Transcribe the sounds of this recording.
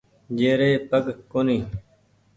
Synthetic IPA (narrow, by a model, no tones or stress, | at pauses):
d͡ʒeːɾeːpəɡkoːniː